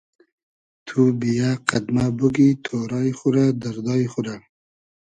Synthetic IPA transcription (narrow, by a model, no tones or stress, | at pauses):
t̪ʰubijaqad̪mabəɡit̪ʰoɾɑjχuɾad̪aɾd̪ɑjxuɾa